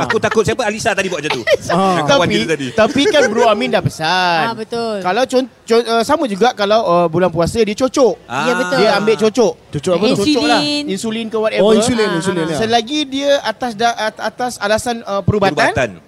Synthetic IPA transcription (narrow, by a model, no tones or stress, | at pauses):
akut̪akʊt̪̚siapəalisat̪adibuaʔd͡ʒat̪ut̪aapit̪adit̪apikanbəɾuamĩndapəsanbət̪ʊlkalawt͡ʃɔ | t͡ʃoəsaməd͡ʒuɡaʔkalawəbulanpuasədiət͡ʃot͡ʃɔʔjabədiəambeʔt͡ʃot͡ʃɔʔt͡ʃot͡ʃɔət͡ʃot͡ʃɔlaninsulinkəwat̪ɛuliinsulinsəlaɡidiəat̪asdaʔat̪asalasanəpəɾubab̪aant̪an